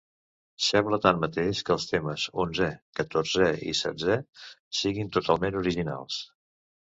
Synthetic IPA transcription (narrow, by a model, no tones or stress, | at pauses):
sɛmblət̪anːət̪eʃkəːlˠst̪eməzonzɛkət̪orzɛḭsɛ̰d͡zɛsiɣint̪ut̪alˠmenuɾiʒina̰lˠs